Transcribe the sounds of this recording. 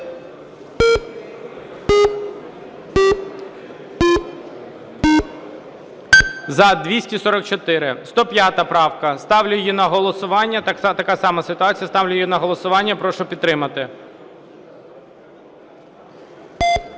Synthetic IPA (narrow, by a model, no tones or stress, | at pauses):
zɐd̪ʲʋʲisʲtʲisɔɾɔk̚t͡ʃɔt̪ɪɾɪst̪ɔpʲjat̪ɐpɾɑwkɐst̪ɑwlʲʊjjinɐɦɔlˠɔsʊʋɑnʲːɐt̪t̪ɐkɑsɑmɐsɪt̪ʊɑt͡sʲijɐst̪ɑwlʲʊjjinɐɦɔlˠɔsʊʋɑnʲːɐpɾɔʃʊpʲid̪t̪ːɾɪmɐt̪ɪ